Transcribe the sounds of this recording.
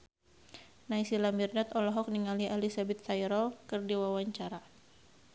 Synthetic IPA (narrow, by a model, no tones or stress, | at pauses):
najsilamirdat̪ɔlɔɦɔk̚niŋaliʔalisabɛt̪ːajɾɔlkɨrdiwawaɲt͡ʃaɾa